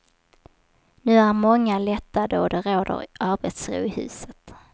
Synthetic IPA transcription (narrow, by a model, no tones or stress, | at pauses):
nʉ̟ːæɾmɔŋːalɛt̪ːad̪oːd̪ɛɾoːd̪ə̰ɾʔaɾbɛt̪sɾʊ̰ːɪhʉ̟̰ːsət̪